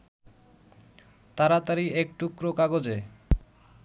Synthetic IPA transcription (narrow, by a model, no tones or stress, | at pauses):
t̪aɾat̪aɾiek̚ʈukɾokaɡod͡ʑe